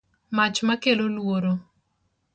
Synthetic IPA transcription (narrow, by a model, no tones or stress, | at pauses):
mat͡ʃmakelolwoɾo